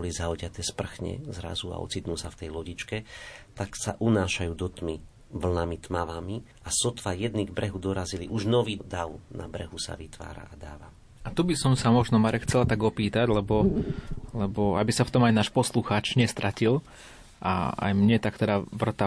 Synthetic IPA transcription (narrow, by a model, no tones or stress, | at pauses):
ɔlizaɔɟɪat̪ɛːspr̩xɲɛ̰zɾa̰zua̰ɔ̰t͡sit̪nuːsaft̪ɛjlɔɟit͡ʃkɛt̪aksaʔunaːʃajuːd̪ɔt̪mi | ʋl̩namit̪maʋami | ʔasɔt̪ʋajɛd̪niɡbɾɛɦud̪ɔɾaziliʔuʒnɔʋiːd̪aʊna̰bɾɛɦusa̰ʋit̪ʋa̰ːɾa̰ʔad̪aːʋa | at̪ubisɔmsamɔʒnɔmaɾɛkxʰt͡sɛlat̪aɡɔpiːt̪aɟlɛbɔ | lɛbɔabisaft̪ɔmajnaːʃpɔsluxaːt͡ʃɲɛst̪ɾʔacil | ʔa̰a̰jmɲɛt̪akt̪ɛd̪aʋr̩t̪a